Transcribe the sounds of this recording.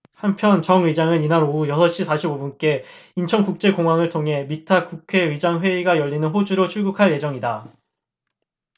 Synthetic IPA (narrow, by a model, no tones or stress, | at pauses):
hampʰjʌnt͡ɕʌŋid͡ʑaŋɯninaɾoujʌsʰʌɕ͈isʰaɕʰibobunk͈e̞int͡ɕʰʌŋkuk̚t͡ɕ͈e̞koŋɦwaŋɯɭtʰoŋɦe̞mitʰakukʰe̞id͡ʑaŋɸwe̞iɡajʌʎːinɯnɸod͡ʑuɾot͡ɕʰuɭɡukʰaɭje̞d͡ʑʌŋida